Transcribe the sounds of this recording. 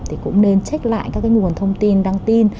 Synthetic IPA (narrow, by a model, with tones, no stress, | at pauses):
t̪ʰi˨˩kʊ̰˧˥ŋ͡mne˧nt͡ɕa˦˥k̟̚la̰ː˧˨jkaː˦˥kːaː˨˦ŋu˨˩ənt̪ʰə˧wŋ͡mt̪i˧nɗaː˧ŋt̪i˧n